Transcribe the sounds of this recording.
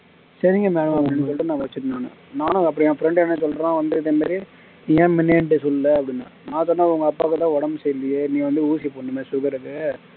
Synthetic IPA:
sɐɾɪŋɡɐmeːɳɐmɐpːɐɽɪnːɯsɔlrɯnãːʋɐt͡ʃːɯʈɯnaːnɯ̰naːnʊ̃ɐp̬ːɐɽiɛ̃ːfɾɛɳɖɛnːɐsɔlːɾːʋɐnd̪ɯɪðeːmaːɾi | niːẽːmɪneɳʈɯsɔlːɯlɐɐpːɐɽɪnːa̰ːnãːsɔːaːʊŋɡɐːpːaːkɯt̪ːãːɔɽɐmsɛjlɪjeniːɐʋɐnd̪ɯuːsipoːɳːɯmẽːsukɐɾɯkːɯ

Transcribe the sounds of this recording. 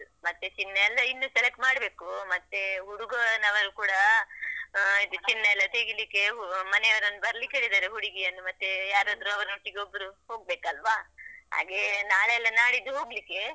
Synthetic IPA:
mɐt̪ːet͡ʃinːɐɛlːɐinːusɛlek̚ʈmaːɽbe̞ːkumɐt̪ːeuɽuɡɐnɐʋɐɾukuːɽɐ | id̪ut͡ʃinːɐɛlːɐt̪eɡilikːe̞mɐneɐʋɐɾɐnːubɐɾɐlikeːɽid̪aːɾeɦuɽiɡijɐnːumɐt̪ːejaːɾɐnd̪ɾuɐʋɐɾɐnoʈːiɡeobːɐɾuho̞ːɡ̚be̞ːkɐlʋaɦa̰ːɡe̞naːɭeɛlːɐnaːɽid̪uɦo̞ːɡlikːe̞

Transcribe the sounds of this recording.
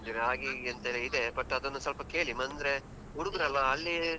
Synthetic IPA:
d̪ɾaːɡiɐnt̪ɐɾeid̪ebɐʈːɐd̪ɐnːusɐlpɐke̞ːɭimɐnd̪ɾe | uɽuɡɾɐlːɐːlːi

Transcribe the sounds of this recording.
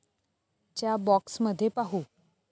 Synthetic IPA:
t͡ɕjabɔksməd̪ʱːjepaɦu

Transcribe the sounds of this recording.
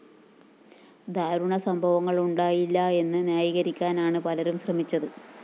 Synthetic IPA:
d̪ʱaːɾuɳɐsɐmbʱɐʋɐŋːɐɭuɳɖaːjilːɐe̞nːɨnjaːjiɣɐɾikʲːaːnaːɳɨpɐlɐɾumɕrɐmit͡ɕːɐðɨ

